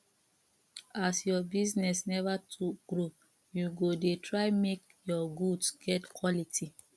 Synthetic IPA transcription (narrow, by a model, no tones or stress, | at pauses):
asjɔbiznɛsnɛvatʰuɡ̥ɹo | juɡodetʰɹaɪmek | jɔɡudsɡ̥ɛtkʰwɔlitʰi